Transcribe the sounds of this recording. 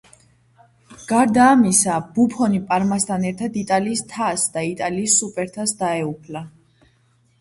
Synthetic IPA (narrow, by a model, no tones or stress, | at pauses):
ɡ̥aɾd̪aːmisab̥upʰɔnipʼaɾmast̪ʰanɛɾt̪ʰad̪it̪ʼaliːst̪ʰasd̪ait̪ʼaliːsːupʼɛɾt̪ʰasd̪aɛupʰla